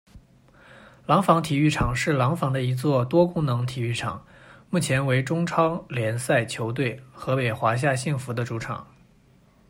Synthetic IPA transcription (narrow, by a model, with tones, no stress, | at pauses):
lɑ˧˥ŋfɑ˧˥ŋt̪ʰi˨˩y˥˩ʈ͡ʂʰɑ˨˩ŋʂɻ̩˥˩lɑ˧˥ŋfɑ˧˥ŋd̪ə˧i˧˥t͡swɔ˥˩t̪wɔ˥kʊ˥ŋnɤ˧˥ŋt̪ʰi˨˩y˥˩ʈ͡ʂʰɑ̰˨˩˦ŋ | mu˥˩t͡ɕʰjɛ˧˥nwe˧˥ɪʈ͡ʂʊ˥ŋʈ͡ʂʰɑ˥ŋljɛ˧˥nsa˥˩ɪt͡ɕʰjo˧˥ʊt̪̬we˥˩ɪxɤ˧˥pe˨˩ɪxwa˧˥ɕ̬ja˥˧ɕi˥˩ŋfu˧˥d̪ə˧ʈ͡ʂu˧˥ʈ͡ʂʰɑ̰˨˩˦ŋ